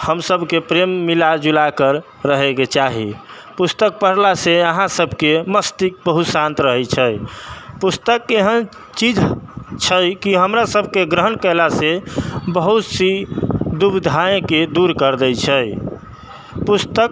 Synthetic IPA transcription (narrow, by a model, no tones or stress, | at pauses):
həmsəbʱkepɾemːilad͡ʒulakəɾː | əɦeket͡ʃaɦi | pust̪ək̚pəɾlaseəɦãsəbʱkeməst̪ik̚bəɦut̪sãnt̪ɾəɦɛt͡ʃʰɛjpust̪əkeɦən | t͡ʃid͡ʒt͡ʃʰəjkiɦəmɾasəbʱkeɡɾəɦənkəlasebəɦut̪sid̪ubd̪ʱaẽked̪uɾkəɾd̪əjt͡ʃʰəj | pust̪ək